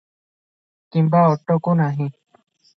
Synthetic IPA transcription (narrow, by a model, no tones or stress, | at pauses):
kimbaːoʈːokonaːɦĩ